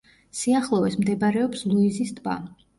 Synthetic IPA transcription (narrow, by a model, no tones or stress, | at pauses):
siaχlˠɔvɛsmd̪ɛbaɾɛɔpslˠuizist̪ʰʼba̰